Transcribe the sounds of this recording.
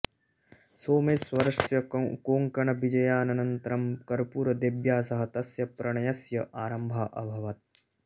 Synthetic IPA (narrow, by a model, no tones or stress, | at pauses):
soːmeːswɐɾɐʂjɐkoːŋkɐɳɐbid͡ʒɐjaːnɐnɐnt̪ɾɐmkɐɾpuːɾɐd̪ebjaːsɐɦɐt̪ɐsjɐpɾɐɳɐjɐsjɐʔaːɾɐmbʱaːʔɐbʱɐʋɐt̪̚